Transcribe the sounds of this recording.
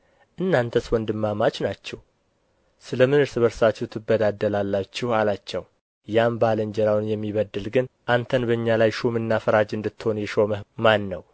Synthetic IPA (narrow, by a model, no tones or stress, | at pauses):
ʔɨnːant̪ʰəswɔnd̪ɨmːamat͡ʃnat͡ʃːɛh | sɨləmɨnɨɾsɨβəɾsat͡ʃːɛht̪ʰɨbːəd̪ad̪ːəlalːat͡ʃːɪhalat͡ʃːɛw | jambaləɲd͡ʒɛɾawnjɛmːiβəd̪ːɨlɡɨnʔant̪ʰənbəɨɲːalajʃomɨnːafəɾad͡ʒɨnd̪ɨt̪ːho̞njɛʃo̞məhmanːəw